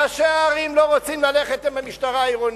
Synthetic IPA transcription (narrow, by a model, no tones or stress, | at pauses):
aʃeaːʁimlo̞ʁot͡simlaleχet̪imamiʃtaʁaːiʁon